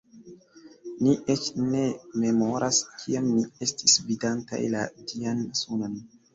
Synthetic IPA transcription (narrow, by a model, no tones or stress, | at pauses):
miʔet͡ʃne̞me̞mo̞ɾaskʰiamːie̞stisvidanta̰jlatiansunon